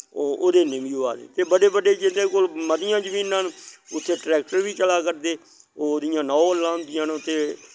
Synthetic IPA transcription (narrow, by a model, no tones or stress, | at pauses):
ooːd̪eːnɪmjuaːd̪ḛːt̪eːbəɖeːbəɖeːd͡ʒɪd̪eːkolmət̪ɪjãːd͡ʒəmĩːnãːnʊt̪ʰːeːʈɾɛːk̚ʈəɾʋiːt͡ʃəlaːkəɾd̪eː | oːd̪ɪjãːnɔ̃ːəlːãːʊnd̪ɪjãːnʊt̪ʰːeː